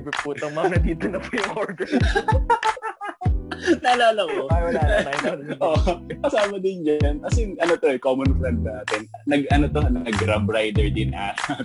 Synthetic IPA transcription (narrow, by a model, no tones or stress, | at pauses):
bipuːt̪ɐŋmɐmnɐt̪iːt̪onɐpojʊŋoɹd̪ɛ | naːlaːlɐʔaajɐnʔokɐsaːmɐd̪ɪnd͡ʒɐnkɐsɛjʊŋʔɐnot̪o̞ɛkomɐnfɾɛnd̪̚naːt̪ɛnnɐɡʔɐnot̪onɐɡɾambɾajd̪ɛɹd̪ɪnʔasa